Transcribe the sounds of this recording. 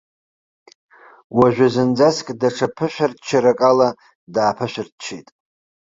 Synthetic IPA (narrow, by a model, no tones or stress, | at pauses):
waʒʷᶣazɨnd͡zaskʼdaʈ͡ʂʰapʰɨʃʷᶣart͡ʃʰaɾakʼala | daːpʰaʃʷᶣartt͡ʃʰḛjtʼ